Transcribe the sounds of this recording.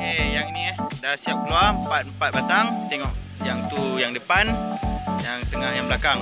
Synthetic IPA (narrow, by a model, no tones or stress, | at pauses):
ejaŋiniɛdasiap̚kluarmpat̪̚mpat̪̚bat̪aŋt̪eŋɔʔ | jaŋt̪ujaŋdəpanjaŋt̪əŋahjaŋbəlakaŋ